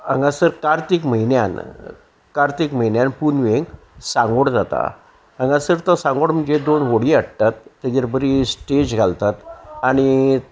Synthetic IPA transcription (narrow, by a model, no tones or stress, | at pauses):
ã̰ŋɡasəɾkaɾt̪ikməɦinja̰n | kaɾt̪ikməɦinjanpunʋeŋɡ | sãŋɡoɽd͡zat̪a̰ | ãŋɡasəɾt̪ɔsãŋɡoɽm̤əɳd͡ʑed̪onʋoɽiaɽ̚t̪at̪ːat̪aɾbəɾisʈed͡ʑɡʱalt̪at̪aɽ̃i